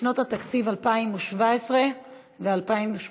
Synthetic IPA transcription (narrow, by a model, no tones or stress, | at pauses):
not̪hat̪akt͡sivalpaimuʃvaesʁe̞ | vealpaimuʃ